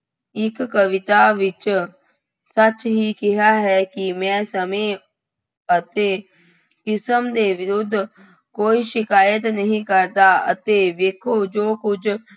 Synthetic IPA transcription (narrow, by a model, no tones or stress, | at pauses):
ɪkːəʋɪt̪aːʋɪt͡ʃ | sət͡ʃɦiːkɪɦaːɦɛːkɪmɛ̃ːsəmẽː | ət̪eː | kɪsəmd̪eːʋɪɾʊd̪ʱː | koːiːʃɪkaːjət̪nəɦĩːkəɾd̪aːə̰t̪eːʋeːkʰoːd͡ʒoːkʊd͡ʒʰ